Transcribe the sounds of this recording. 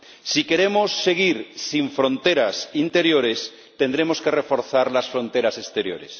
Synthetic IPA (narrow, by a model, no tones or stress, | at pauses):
sike̞ɾe̞mosːe̞ɣiɾsiɱfɾo̞nt̪e̞ɾasint̪e̞ɾjo̞ɾe̞s | t̪e̞nd̪ɾe̞mo̞ske̞re̞fo̞ɾθaɾlasfɾõ̞nt̪e̞ɾase̞st̪e̞ɾjo̞̰ɾe̞̰s